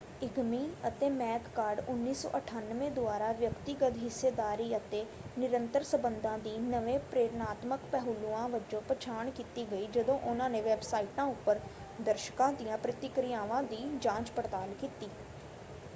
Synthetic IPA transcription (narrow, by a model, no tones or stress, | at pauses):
ɪɡmiːnət̪eːmɛːkkaːɾɖʊnːiːsɔ̰ːʔəʈʰaːnʋẽːd̪ʊaːɾaːʋjəkt̪iɡəd̪ɦɪsːeːd̪aːɾiːət̪eː | nɪɾənt̪əɾsəbənd̪ãːd̪iːnəʋẽːpɾeːɾnaːt̪məkpɛɦʊluãːʋəd͡ʒõːpət͡ʃʰaːɳkiːt̪iːɡəiːd͡ʒəd̪õːʔʊnãːnẽːʋɛːbsaːiʈãːʊpːəɾ | d̪əɾʃə̥kãːd̪ijãːpɾɪt̪ɪkɾɪjaːʋãːd̪iːd͡ʒãːt͡ʃpəɾt̪aːlkiːt̪iː